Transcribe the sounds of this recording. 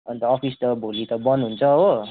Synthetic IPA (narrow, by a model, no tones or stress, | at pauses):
ʌnit̪ʌːpʰist̪ʌbʱolit̪ʌbʌnɦunt͡sʰʌɦo